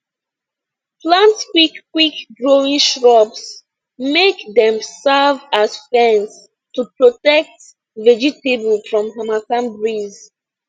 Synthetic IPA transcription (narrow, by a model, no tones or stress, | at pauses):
plãntskwikːwikɡɹoĩŋʃɹɔbs | mekdɛ̃msavazfɛ̃ns | tupɹɔtɛk̚t | vɛd͡ʒitebəl̩fɹɔ̃mɦamakãnbɹiz